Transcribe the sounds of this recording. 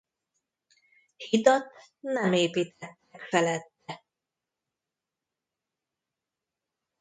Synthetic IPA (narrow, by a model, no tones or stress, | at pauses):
hid̪ot̪ | nɛmeːpiːt̪ɛt̪ːɛkfɛlɛt̪ːɛ